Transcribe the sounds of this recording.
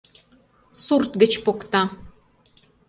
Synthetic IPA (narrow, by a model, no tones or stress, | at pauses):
surt̪ɡət͡ʃpokt̪a